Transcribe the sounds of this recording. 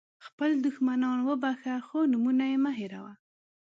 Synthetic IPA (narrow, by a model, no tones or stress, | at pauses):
xpəld̪ʊxmanɑnwəbaxaxonumunajemaɦeɾa̰wa